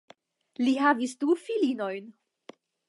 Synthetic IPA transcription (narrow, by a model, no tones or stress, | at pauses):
lihavisdufilino̞jn